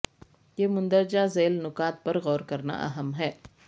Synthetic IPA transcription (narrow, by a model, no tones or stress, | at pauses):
jeːmʊ̃nd̪əɾd͡ʒazeːlnʊkaːt̪̚pɐɾɣɔːɾkɐɾna̰ʔɐ̰ɦəmɦɛː